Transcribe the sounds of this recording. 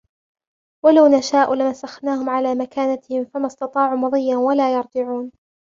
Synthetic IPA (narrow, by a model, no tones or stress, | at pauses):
walawnaʃaːʔʊlɪmasaxnaːhʊmʕalaːmakaːnat̪ɪhɪmfamɑst̪ɑt̪ˤɑːʕumɑðˤɨjːanwalaːjɑɾˤd͡ʒɪʕuːn